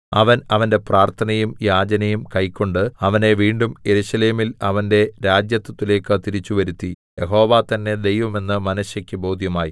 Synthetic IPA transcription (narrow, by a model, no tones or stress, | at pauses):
ɐʋɐnɐʋɐnde̞praːrt̪ʰɐnɐjumjaːd͡ʑɐnɐjumkɐjkːo̞ɳɖɨɐʋɐne̞ʋiːɳɖumje̞ɾuɕɐle̞ːmilɐʋɐnde̞ɾaːd͡ʑjɐt̪ːɐt̪ːile̞ːkːɨt̪iɾit͡ɕːuʋɐɾut̪ːi | jeɦo̞ːʋaːt̪ɐnːe̞d̪e̞jʋɐme̞nːɨmɐnɐɕjɐkʲːɨbo̞ːd̪ʱjɐmaːji